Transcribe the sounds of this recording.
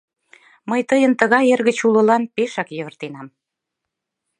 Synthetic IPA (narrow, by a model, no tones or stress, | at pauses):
məjt̪əjənt̪əɣɑjerɣət͡ɕulə̆lɑnpeʃɑkjøβə̆rt̪enɑm